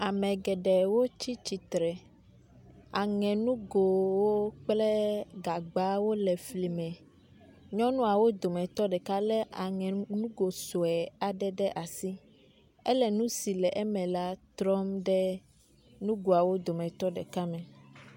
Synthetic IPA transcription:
a˨mɛ̃˨ɡɛ˨ɖɛ˨wo˦t͡ɕi˦t͡ɕi˨t̪ɾɛ˨ | a˨ŋɛ̃˨nũ˦ɡo˨wo˦k͡plɛ˦ɡa˨ɡ͡ba˦wo˦lɛ˨fli˨mɛ̃˨ | ɲɔ̃˦nũ˦a˨wo˦d̪o˨mɛ̃˨t̪ɔ˦ɖɛ˨ka˦lɛ˦ʔa˨ŋɛ̃˨nũ˦ɡo˨so˨ɛ˨a˨ɖɛ˦ɖɛ˦ʔa˨si˦ | ɛ˦lɛ˨nũ˦si˨lɛ˨ʔɛ˦mɛ̃˨la˦t̪ɾɔ˦mɖɛ˦ | nũ˦ɡo˨a˨wo˦d̪o˨mɛ̃˨t̪ɔ˦ɖɛ̰˨ka˦mɛ̃˨

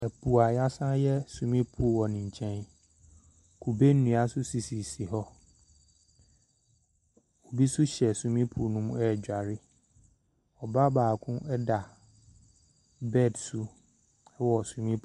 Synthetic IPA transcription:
ɛ˨pʰu˨a˨ja˦sã˦jɛ˦sũ˨mĩ˦pʰu˨wɔ˨nĩ˨ɲ˨t͡ɕʰɛ̃˦n | kʰu˨be˦n̩˦nũ˨a˨sʊ˦si˨si˨si˨ɦɔ˦ | o˨bi˦sʊ˦ɕɛ˨sũ˨mĩ˦pʰu˨nũ˦m˦ɛː˦˨d͡ʑᶣa˨ɾɪ˦ | ɔ˨ba˦baː˨kʰʊ̃˦ʔɛ˦da˨ | bɛ˦˨dsʊ˦ | ɛ˦wɔ˨sũ˨mĩ˦pʰ

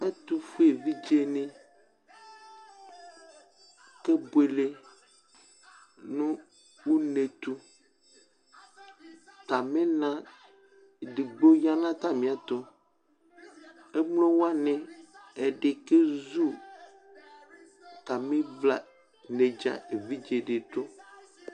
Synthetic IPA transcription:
ɛ˦t̪u˦fu˦e˨vi˦d͡ʒe˦nẽ˦ | ke˦bwe˨le˦ | nũ˦ | wu˦ne˨t̪u˦ | t̪a˨mẽ˦nã˦ | ɖi˨ɡ͡bo˦ja˦nã˦t̪a˦mĩ˨a˨t̪o˦ | e˦mlõ˦wo˦a˦nɛ̃˨e˨ɖe˨ke˦zu˦ | t̪a˨mĩ˦vla̰˨ | ne˨d͡ʒa̰˨e˨vi˦d͡ʒe˨ɖe˨t̪o˦

